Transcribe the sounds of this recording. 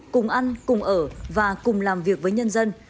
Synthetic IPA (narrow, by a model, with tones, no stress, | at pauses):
kʊ˨˩ŋ͡mʔa˧nkʊ˨˩ŋ͡mʔəː˧˩vaː˨˩kʊ˨˩ŋ͡mlaː˨˩mvi˨˩ək̚vəː˨˦jɲə˧nzə˧n